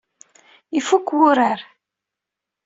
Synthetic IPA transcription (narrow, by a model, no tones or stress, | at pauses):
ifukːwʊɾaɾ